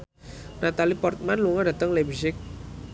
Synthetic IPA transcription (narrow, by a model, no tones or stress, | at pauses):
nat̪alipɔrt̪̚manluŋada̤t̪əŋlebisɪk̚